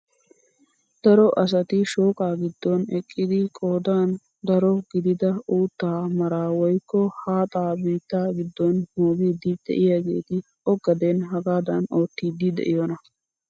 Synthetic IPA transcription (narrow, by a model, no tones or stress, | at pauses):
d̪̥ɐɾɔʔɐs̬ɐt̪ɪʃoːkʼaːɡɪd̪ːɔnɛkʼːɪd̪ɪkʼoːd̪aːn | d̪ɐɾɔɡɪd̪ɪd̪ɐuːt̪ːaːmɐɾaːwɔjkːɔhaːt̪ʼaːbiːt̪ːaːɡɪd̪ːɔnmoːɡiːd̪ɪd̪̥ɛ̰ʔɪjaːɡe̞̰ːt̪ɪ | ʔɔɡɐd̪enɦɐɡaːd̪ɐno̞ːt̪ːiːd̪ɪd̪ɛ̰ʔɪjɔnɐ